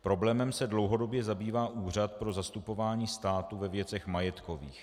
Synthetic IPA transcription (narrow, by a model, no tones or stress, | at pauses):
pɾo̞blɛːmɛmsɛdlo̞wɦo̞do̞bjɛzabiːvaːʔuːr̝at̪pɾo̞zast̪upo̞vaːɲiːst̪aːt̪uvɛvjɛt͡sɛxmajɛt̪ko̞vḭːx